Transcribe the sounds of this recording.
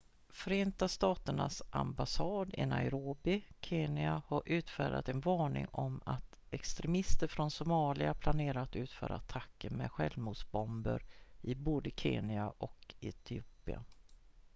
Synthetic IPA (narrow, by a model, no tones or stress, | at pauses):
fœɾeːnt̪ast̪ɑːt̪əɳa̰sʔa̰mbasɑːd̪ɪ̰na̰ɪɾoːbɪkʰeːnɪahaɾʔʉ̟ːt̪fæːɖa̰t̪ɛnvɑːɳɪ̰ŋɔmat̪ | ɛkst̪ɾɛmɪst̪əɾfɾɔnsʊmɑːlɪapʰlaneːɾat̪ʉ̟ːt̪fœ̰ːɾʔa̰ːt̪ʰakːəɾmɛ̰ɧɛlmuːd̪sbɔmbə̰ɾɪboːd̪əkʰeːnɪaʔɔkɛt̪ʰɪuːpɪa̰